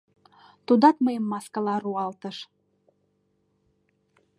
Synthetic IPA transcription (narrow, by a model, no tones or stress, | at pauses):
t̪ud̪ɑt̪məjəmːɑskɑlɑɾuɑlt̪əʃ